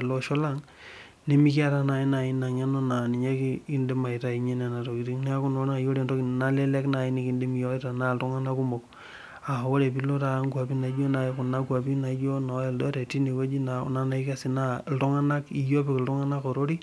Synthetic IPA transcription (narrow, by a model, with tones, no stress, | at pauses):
lo˨˦ʃɔ˦la˦ŋ | ne˦mi˦ki˦a˦ɾa˦na˨i˦na˨i˦na˨ɲa˦no˦na˨ni˨ɲe˦ki˦i˦nde˦ma˨i˨ta˦i˨ɲe˦ne˨na˨to˨ki˨ɾi˦ŋni˦a˦ku˦no˨na˨jo˦ɾe˨ndɔ˦kna˦le˦lɛ˦kna˨i˦ni˦ki˨ndi˦m˨jɔ˦i˦ta˨na˦ltu˦ŋa˦na˦ku˦mo˨k̚ | a˨wo˦ɾe˨pi˦lo˦ta˦ŋɡwa˨pi˦na˨˦d͡ʒo˦na˨˦kʊ˨na˦kwa˨pi˦na˨˦d͡ʒo˦na˨˦e˨ldɔ˦ɾe˨ti˦ne˨we˦d͡ʒi˦na̰˨na˦na˨i˦ka˦si˨na˦˨ltɔ˦ŋa˦na˦ki˨jo˦pi˨kltɔ˦ŋa˦na˦kɔ˨ɾo˦ɾi˦